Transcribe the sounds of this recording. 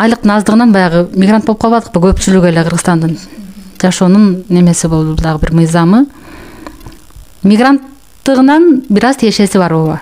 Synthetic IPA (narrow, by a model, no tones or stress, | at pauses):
ɑjlˠəq̚t̪əɴɑzd̪əʁənɑnbɑjɑʁəmʲiɡɾant̪̚bopqʰlˠβɑd̪əq̚pəkʲʰɵpʃɪlɪɡʲeleqʰəɾʁəst̪ɑnd̪əɴʒɑʃonəɴne̞me̞sɪbolˠd̪əbʊlˠd̪ɑʁəbɪɾməjzɑmə | mijɡrant̪ː | əʁənɑnbɪɾɑzt̪ʰeeʃe̞sɪbɑɾwolˠə